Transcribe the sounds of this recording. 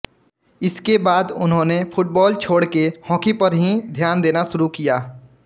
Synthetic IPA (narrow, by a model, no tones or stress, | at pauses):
ɪskebaːd̪ʊnɦõːnepʰʊʈ̚bɔːlt͡ʃʰoːɽkehɔ̃ːkipəɾɦĩd̪ʱjaːnd̪eːnaʃʊɾukijaː